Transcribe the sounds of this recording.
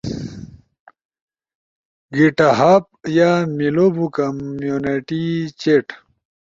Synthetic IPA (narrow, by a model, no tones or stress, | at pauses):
ɡiʈaɦaːp̚jamilobukɐmjuneʈit͡ɕeʈ